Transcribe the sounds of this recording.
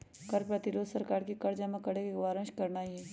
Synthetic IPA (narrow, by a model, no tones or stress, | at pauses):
kɐɾpɾɐt̪ɪɾoːd̪səɾkaːɾkikɐɾd͡ʒamẽkɐɽekeʋaːɾə̃ʃkɐɾnaiɛ